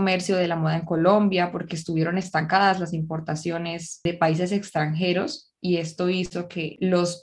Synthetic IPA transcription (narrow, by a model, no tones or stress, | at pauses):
me̞ɾsjo̞ð̞e̞lamoð̞aeŋko̞lo̞mbjapo̞ɾke̞eːs̬t̪uβjeɾone̞st̪aŋkaðaslasimpo̞ɾt̪asjo̞ne̞se̞paise̞se̞kst̪ɾaŋxe̞ɾo̞s | ie̞st̪o̞iso̞kʰe̞lo̞s